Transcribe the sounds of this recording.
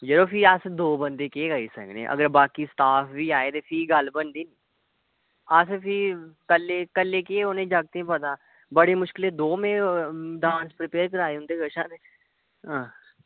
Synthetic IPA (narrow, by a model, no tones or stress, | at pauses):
d͡ʒəɾoːpʰiːəsd̪oːbənd̪eːkeːɡəiːsə̰ɡnḛ̃ːʔə̰ɡəɾbaːkiːsʈ̪aːpʰʋiːaːeːt̪eːpʰiːɡəlbənd̪iːniː | əspʰiːkəlːeːkəlːeːkeːoːnẽːd͡ʒəɡ̚t̪ẽːpət̪aː | bəɽeːmʊʃkɪleːd̪oːmẽːɖãːnspɾɪpeːɾkəɾaːeːʊ̃nd̪eːɡəʃãːt̪eː | ɦãː